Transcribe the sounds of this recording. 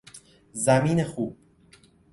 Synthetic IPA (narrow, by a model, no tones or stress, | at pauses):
zæmiːnexuːb̚